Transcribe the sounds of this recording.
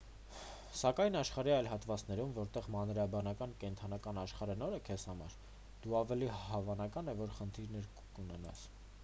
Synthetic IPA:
sɑkɑjnɑʃχɑɾiɑjlɦɑt̪vɑt͡snɛɾumvɔɾt̪ɛʁmɑnɾɑbɑnɑkɑnkɛnt̪ʰɑnɑkɑnɑʃχɑɾənɔɾəkʰɛshɑmɑ̰ɾ | d̪̥uɑvɛlihɑvɑnɑkɑnɛvɔɾχənt̪ʰiɾnɛɾ | kunɛnɑ̰s

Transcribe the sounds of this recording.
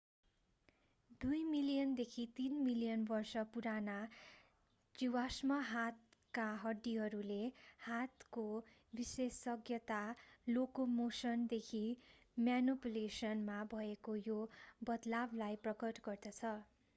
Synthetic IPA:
d̪ujmilijʌnd̪ekʰit̪inmilijʌnbʌrsʌpuɾana | d͡ziwasmʌɦat̪̚kaɦʌɖːiɦʌɾulehat̪ko | bisesːʌɡjʌt̪alokomosʌnd̪ekʰi | mjanopulesʌnmabʱʌekojobʌd̪lablajprʌkʌʈɡʌrd̪ʌt͡sʰʌ

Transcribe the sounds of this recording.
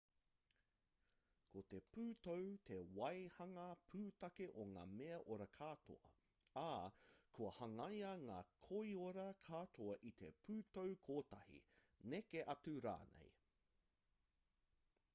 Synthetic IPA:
kʰot̪e̞pʉːtowt̪ʰewɐjhɐŋɐpʰʉːtɐkeʔoŋa̰ːmeɐʔoɾɐkʰaːt̪ʰo̰ɐ̰ | akʰuɐhɐŋɐjɐŋaːkʰoioɾɐkʰaːtoɐʔit̪ʰḛpʰʉːtowkʰoːtɐhḭ | nekeʔɐtuɾa̰ːnḛj

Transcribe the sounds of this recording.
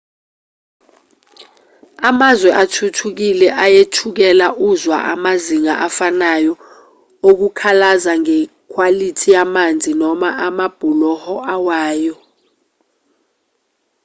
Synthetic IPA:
amazwɛʔatʰutʰuk̬ilɛʔajetʰuk̬ɛlaʔuzwa̰ʔa̰maziŋaʔafanajɔ | ok̬ukʰalazaŋɛ | kʰwalitʰijamand͡zʱinɔmaʔamab̥ʱulɔhɔʔawaːjɔ

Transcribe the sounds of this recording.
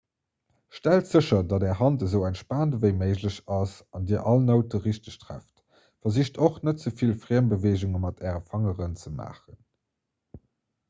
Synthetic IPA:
ʃtæltz̥əɕɐdɑdɛːɐɦɑntəzəʊæntʃpaːntəvəɪməɪʑləɕɑsɑndiːɐʔɑlnəʊtəʁiɕtəɕtʁæ̰ft | fɐziʃtʰoχnətz̥əfilfʁiːəmbəveːʑuŋəmɑtʰɛːʁəfɑŋəʁənt͡səma̰ːχən

